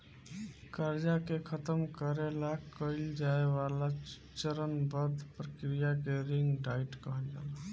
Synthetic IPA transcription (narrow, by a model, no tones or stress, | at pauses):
kəɾd͡ʒakekʰət̪əmkəɾelakəɪld͡ʒaeβala | t͡ʃəɾənbəɾd̪ʱpɾəkɾijakeɾiŋɡɖaiʈkəɦəld͡ʒa̰la